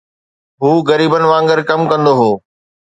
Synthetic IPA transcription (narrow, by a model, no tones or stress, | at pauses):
ɦuːɣɐɾiːbənɪ̆ʋãːŋɡəɾkɐmkɐ̃nd̪oɦoː